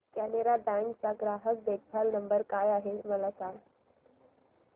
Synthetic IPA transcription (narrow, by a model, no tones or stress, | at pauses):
kæneɾabæ̃ŋkt͡saɡɾaɦək̚d̪ek̪̚bʰʱalnəmbəɾkajaɦeməlasãŋɡ